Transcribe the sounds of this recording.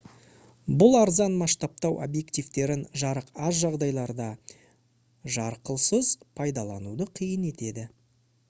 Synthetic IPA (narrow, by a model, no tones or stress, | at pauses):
bʊlˠɑɾzɑnmɑst̪ɑp̚t̪ɑwʔo̰bje̞kt̪ijvt̪e̞ɾɪnʒɑɾəqɑzʒɑʁd̪ɑjlˠɑɾd̪ɑ | ʒɑɾqəlˠsəzpʰɑjd̪ɑlˠɑnud̪əqʰijəne̞t̪e̞d̪ɪ